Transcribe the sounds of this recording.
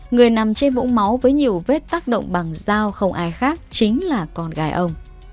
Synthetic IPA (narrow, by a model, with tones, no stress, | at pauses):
ŋɨ˨˩əjna˨˩mt͡ɕe˧nvṵ˧˥ŋ͡mma˨˦wvəː˨˦jɲi˨˩əwve˦˥t̚t̪aː˦˥k̚ɗo̰˧˨wŋ͡mɓa˨˩ŋzaː˧wxə˧wŋ͡mʔaː˧jxaː˦˥k̚t͡ɕï˨˦ŋ̟laː˨˩kɔ˧˩nɣaː˨˦jʔə˧wŋ͡m